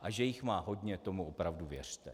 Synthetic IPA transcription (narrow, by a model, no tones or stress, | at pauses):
ʔaʒɛjɪxmaːɦo̞dɲɛt̪o̞muʔopɾavduvjɛr̝̥t̪ɛ